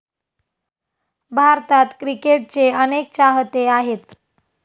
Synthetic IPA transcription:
bʱaɾt̪at̪kɾikeʈ̚t͡seənek̚t͡ɕaɦət̪eaɦet̪

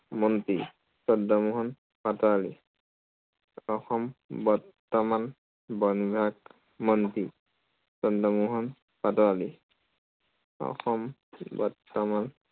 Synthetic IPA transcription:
mɔnti | sɔdɔmuɦɔn | patɔalḭ | ɔxɔmbɔɹ | tɔman | bɔnɡʱak | mɔnti | sɔdɔmuɦɔn | patɔali | ɔ̰xɔmbɔ̰ɹtːɔman

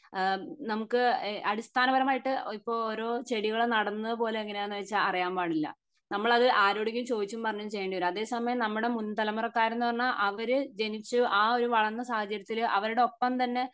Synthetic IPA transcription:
nɐmukːɨɐɽist̪aːnɐbɐɾɐmaːjiʈːɨipːo̞ːɭoːɾo̞ːt͡ɕe̞ɽiɣɐɭnɐɽɐnːɐðɨpo̞ːle̞eŋːɐne̞enːɨʋet͡ɕːaɐrijaːmbaːɽilːɐ̰ | nɐmːɐɭɐðɨʔaːɾoːɽikʲːumt͡ɕo̞ːd̪it͡ɕːumpɐrɐɲːumt͡ɕe̞jːɐɳɖijoɾɐðe̞ːsɐmɐjɐmnɐmːuɽe̞munːt̪ɐlɐmurɐkːaːjiɾenːuɨpɐrɐnːaʔɐʋɐɾɨd͡ʑe̞nit͡ɕːuʔaːo̞ɾuʋɐɭɐnːɐsaːhɐt͡ɕːɐɾjɐt̪ːilʔɐʋɐɾuɽe̞o̞pːɐmt̪ɐnːe̞

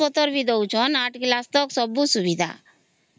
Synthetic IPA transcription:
ɔt̪ɔɾbid̪ɔwt͡ʃʰɔnaʈklast̪ɔksɔbːusubid̪ʱa̰

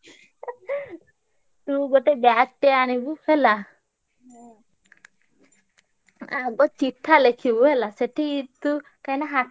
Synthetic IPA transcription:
t̪uɡoʈebɛaʈːeañibuhela | aɡɔt͡ʃiʈʰːalekʰibuɦelaseʈʰit̪u | kajnaɦa

